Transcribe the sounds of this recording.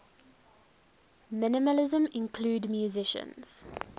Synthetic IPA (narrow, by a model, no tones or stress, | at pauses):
mɪnɪməlɪzə̃mɪ̃nkʰluːdmjuzɪʃə̰̃nz̥